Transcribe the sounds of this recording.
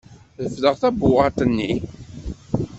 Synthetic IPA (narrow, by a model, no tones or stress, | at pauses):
ðəfðəʁθæbːʊʁɑt̪ənːi